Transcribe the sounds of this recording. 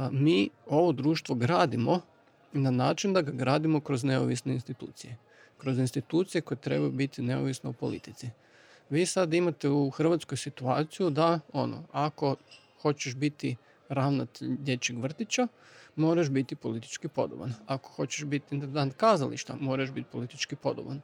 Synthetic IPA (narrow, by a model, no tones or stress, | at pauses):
miːo̞ʋo̞d̪ɾuːʃt̪ʋo̞ɡɾaːd̪imo | nanaːt͡ʃind̪aɡaɡɾaːd̪imo̞kɾo̞zne̞o̰ʋisneinst̪it̪ṵːt̪sije̞ | kɾo̞zinst̪it̪uːt̪sije̞ko̞jet̪ɾe̞̰bajubit̪ine̞o̰ʋisneupo̞̰lḭt̪it̪si | ʋiːsad̪imat̪e̞uxr̩ʋat̪sko̞jsit̪uaːt̪sijud̪ao̞̰no̰ako̞ | xo̞t͡ɕeʃbit̪i | ɾaʋnat̪eʎd̪je̞t͡ɕeɡʋr̩t̪it͡ɕa | mo̞ːɾaʃbit̪ipo̞lit̪i̥t͡ʃkipo̞̰d̪o̰ba̰nako̞̥xo̞t͡ɕeʃbit̪int̪end̪ant̪̚kaːzalḭʃt̪a̰mo̞ɾaʃbit̪̚po̞lit̪it͡ʃkipo̞d̪oba̰n